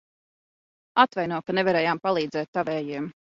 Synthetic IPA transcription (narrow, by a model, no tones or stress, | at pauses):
at̪vajnuɔkanɛvaɾɛːjaːmpalˠiːd̪zɛːt̪ːavɛːjiɛm